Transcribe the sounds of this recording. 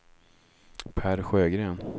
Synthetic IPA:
pʰæːɾɧøːɡɾeːn

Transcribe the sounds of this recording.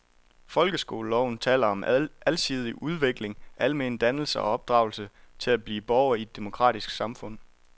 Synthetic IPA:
fɒ̽lɡ̥əsɡ̥o̝̰ːləlɒʊn̩t͡sʰɛ̰ːlɐɒ̽mælsʰið̞ˠiʔuð̞ˠʋe̝ɡ̥le̝ŋʔælme̝nd̥ænl̩səɒ̽ɒ̽b̥̚d̥ʁɑ̈ʊlsət͡sʰe̝læb̥liːb̥ɒʊɐied̥ːe̝mo̝kʰʁɑ̰ːdisɡ̥sɑ̈mfɔ̽n̰

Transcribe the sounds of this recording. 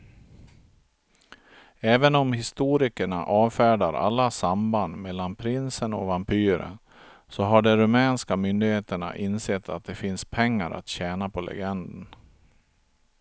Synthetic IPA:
ɛːvənɔmhɪst̪uːɾɪkəɳa̰ʔɑːvfæːɖaɾa̰lːasamband̪mɛlːanpʰɾɪnsənɔ̰vampʰyːɾə̰n | sɔɦaɖɛɾɵmɛːnskamʏnd̪ɪɡeːt̪əɳa̰ʔɪnsɛːt̪ʰːat̪̚d̪ɛfɪnspʰɛŋːaɾʔa̰t̪ɕɛːnapʰɔlʔɛ̰ɡɛnd̪ən

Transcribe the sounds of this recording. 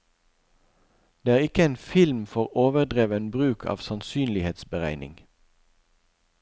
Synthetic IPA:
d̪̥eːæːʁɪkəeːnfɪlmfɔʁoːʋəʁd̪ʁeːʋənbʁʉːkʰɑ̰ːʋsɑnsyːnlɪheːt̪sbəʁæɪnɪ̰ŋ

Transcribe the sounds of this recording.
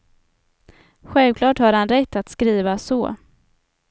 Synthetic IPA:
ɧɛlvkʰlɑːʈhaːɾhanɾɛt̪ʰːat̪skɾiːvasɔ̰ː

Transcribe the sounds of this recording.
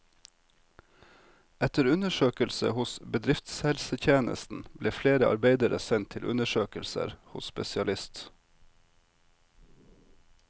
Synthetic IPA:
ɛt̪əɾʉnəʃøːkəlsə̰hʊsbəd̪ɾɪft̪shɛlsət̪ʰjeːnə̰st̪n̩b̥leːfleːɾəʔɑ̰ɾbeɪd̪əɾəsɛnt̪ʰɪlʔʉ̰nəʃøːkəlsə̰ɾhʊsspɛsɪɑlɪst̪

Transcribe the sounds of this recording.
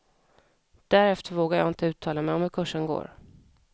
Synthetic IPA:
d̪̥æɾɛft̪əɾvoːɡaɾjɑ̰ːɪnt̪əʉ̟ːt̪ʰɑːlamɛjɔmhɵɾkʰɵʂːənɡo̰ːɾ

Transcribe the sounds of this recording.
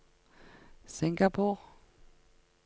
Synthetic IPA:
sɪŋɡapʰʊʁ

